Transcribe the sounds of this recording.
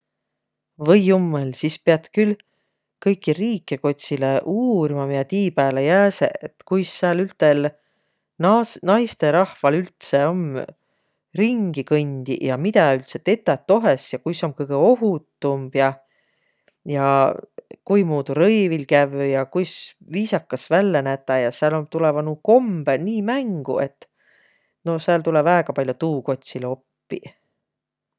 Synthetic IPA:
vɤjːumːelsispeɑt̪kyl | kɤjkːˑiriːkːˑe̞ko̞t̪ʲsileʔuːrimɑmiɑt̪iːpæːlejæːsḛet̪kujsːɑlylt̪ˑel | nnɑjst̪e̞ɾɑhvɑlylt̪se̞o̞m | riŋɡ̥ikɤnʲd̪̥ijɑmit̪ɑylt̪se̞t̪e̞t̪ːˑɑt̪ːo̞ɦesjɑkujso̞mkɤjɡ̥eo̞ɦut̪ːumb̥jɑ | jɑ | kujmuːd̪̥uɾɤjvilkævjɑkujs | viːsɑkːɑsvælːenæt̪ːɑjɑseælomt̪ulevɑnuko̞mb̥eniːmæŋɡ̥ṵe̞t̪ːˑ | no̞seæːlt̪ulevæeɡ̥ɑpɑlʲjot̪uːko̞t̪ʲsilo̞pːḭ

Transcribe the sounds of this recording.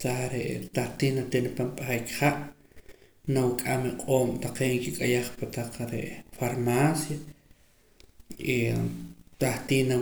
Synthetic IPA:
t̪aɾeʔt̪aht̪iːnat̪enpampʼaχajkχaʔ | nawikʼamiqʼoːmt̪aqeːʔŋkikʼajaχpat̪aq͡χɾḛʔfaɾmaːsja | i | t̪aht̪iːna

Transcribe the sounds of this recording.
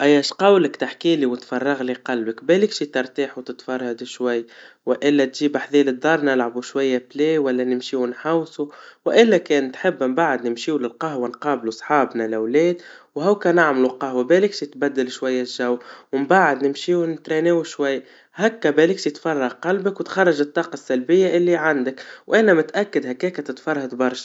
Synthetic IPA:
ʔæjːæʃqɑwləkt̪aħkiːliwət̪fɑrˤːɑɣliqɑlbəkbɛlɪkʃit̪ɪɾˤt̪iːħut̪ɪt̪fɑrˤːɑd̪ɪʃwajː | wɪʔɪlːæt̪ʒiːbaħðiːlɪd̪ːɑɾˤnɪlʕabuʃwajːablɛːwælːænɪmʃiːwnħawsuwʔɪlːækɛːnt̪ħɪbːmbaʕəd̪nɪmʃiːwlɪlqɑɦwanqɑːblusˤħɑːbnalʔawlɛːd̪whawkænaʕmlulqɑhwabɛlɪkʃit̪bæd̪ːɪlʃwajːaʒawːwɪmbaʕɪd̪nɪmʃiːwnt̪ɾeneːwuʃwajː | hækːæbɛːlɪkʃt̪fɑrˤːɑhqɑlbakwt̪xɑrˤːɑʒɪt̪ˤːɑːqɑsːalbɪjːaʔɪlːiʕand̪ɪkwʔænæmɪt̪ʔækːad̪hækːɛːkæt̪ɪt̪fɑrˤːhɑd̪bɑɾˤʃ

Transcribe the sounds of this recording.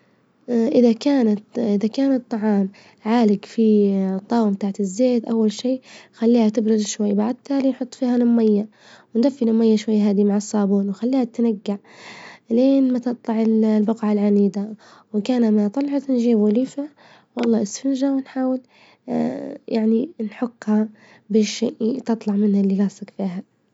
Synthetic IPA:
ʔɪðakaːnat̪ʔɪðakaːnɨt̪ˤːɑʕɑːm | ʕaːlɪɡfit̪ˤːɑːwmt̪aːʕat̪ɪzːeːt̪ʔawːalʃiːxalːiːhat̪ɪbɾʊd̪ʃwajːbaʕd̪̚t̪ːaːlinħʊt̪ˤːfiːhalɪmːajːa | wɪnd̪afːilɪmːajːaʃwajːɦaːd̪imaʕɑsˤːɑːbuːnwxalːiːhat̪naɡːaʕ | leːnmat̪ɨt̪ˤlɑʕɪllbɑqʕalʕaniːd̪a | wɪkaːnamat̪ˤɑlʕɑt̪nʒiːbwaliːfa | wɑlˤːɑːʔɪsfɪnʒawɪnħaːwɪl | jaʕninħʊɡːha | beːʃʔt̪ɨt̪ˤlɑʕmɪnhalːilasakfiːɦa

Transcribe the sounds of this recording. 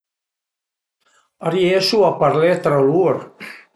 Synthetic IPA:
aɾjesuapaɾlɛt̪ɾaluɾ

